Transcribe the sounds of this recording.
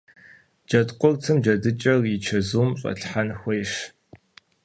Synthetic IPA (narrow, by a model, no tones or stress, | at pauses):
d͡ʒɐtqʷʼʊrt͡sʰɨmd͡ʒɐdɨt͡ʃʼɐrjit͡ʃʰɐzuːmɕʼɐ̰ɬħanxʷɔjʂ